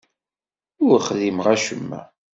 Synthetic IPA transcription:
ʊɾχðimʁæʃəmːæ̰

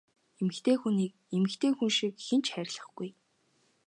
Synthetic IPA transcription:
emɘ̆xt̪ʰeːxuniːk̚ | emɘ̆xt̪ʰeːxunʃikxent͡ɕχæɾʲɪɮə̆χɡuj

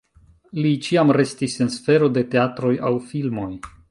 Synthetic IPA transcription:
lit͡ʃiamɾe̞stisɨnsfe̞ɾo̞de̞te̞atɾo̞jawfilmo̞j

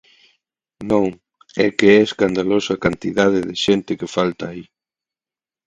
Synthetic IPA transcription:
nõŋ | ɛkeɛeskand̪alosakant̪iðaðɪðɪʃent̪ɪkɪfalt̪aːi

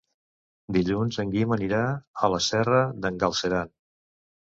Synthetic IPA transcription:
d̪iʎunzəŋɡiməniɾaələsɛrəðəŋɡəlˠsəɾan

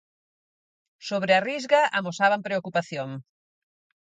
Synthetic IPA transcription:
soβ̞ɾearizɣaamosaβampɾeokupaθjoŋ

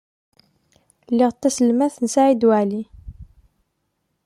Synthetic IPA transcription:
lːiʁət̪ːæsəlmæθənsaʕid̪wʕli

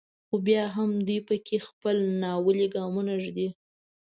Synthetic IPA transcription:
xobjɑɦamd̪ujpəkʰexpəlnɑwəliɡɑmunaʒd̪i

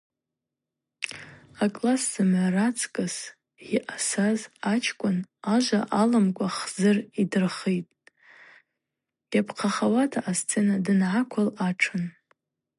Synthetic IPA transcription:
akʼlasz̥ɨmʕʷarat͡sʰkʼɨs | iʔasazat͡ʃʰkʷʼʊnaʒʷaʔalamkʷʼaχzɨridɨrχijtʼ | japʰqʰaχawatʰaʔast͡sʰʼe̞nadɨnʕakʷʰalaʈ͡ʂʰɨn

